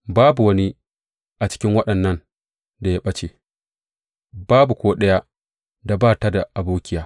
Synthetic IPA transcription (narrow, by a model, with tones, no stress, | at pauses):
baː˦bu˨wɐ˦ni˦ | ʔa˨t͡ʃɪ̥˦kʲɪ˦ŋwɐ˦ɗɐ˨nːɐ˦n | da˨ja˦ɓɐ˦t͡ʃe˨ | b̥aː˦bu˨kʷoː˦ɗɐ˦ja˦ | da˨baː˦˨ta˦da˨ʔa˨buː˦kʲɪ˦jaː˨